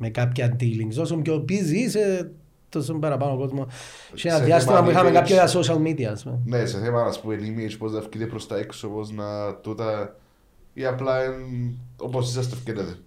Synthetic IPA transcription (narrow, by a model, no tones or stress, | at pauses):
mekapçɐnd̪iliŋɡsosomceopizise | t̪osombɐɾɐpɐnoko̞zmo | ʃenɐðjɐst̪imɐpuixɐmekapçoɐsoʃɐlmid̪iɐspumeneseθemɐmɐspuenimed͡ʒpoznɐfcit̪epɾost̪ɐeksopoznɐt̪ut̪ɐ | iɐplɐino̰posisɐst̪efkeneðe